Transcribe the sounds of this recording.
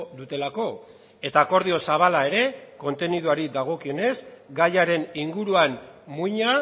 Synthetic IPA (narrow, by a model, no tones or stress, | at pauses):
d̪ut̪e̞lako̞ | e̞t̪ako̞ɾð̞io̞saβ̞alae̞ɾe̞ko̞nt̪e̞niðuaɾiðaɣ̞o̞kio̞ne̞zɡajaɾe̞niŋɡuɾuanmuɲa